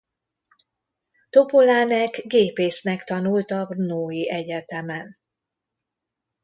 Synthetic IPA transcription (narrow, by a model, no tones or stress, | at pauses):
t̪o̞polaːnɛkɡeːpeːsnɛkt̪ɒnult̪ɒbrnoːjiʔɛɟɛt̪ɛmɛn